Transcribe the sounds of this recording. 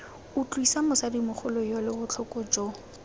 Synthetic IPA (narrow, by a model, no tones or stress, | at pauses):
ʊt͡ɬʼwisamʊsadimʊχʊlɔjɔlɪbʊt͡ɬʰɔkʼɔd͡ʒɔ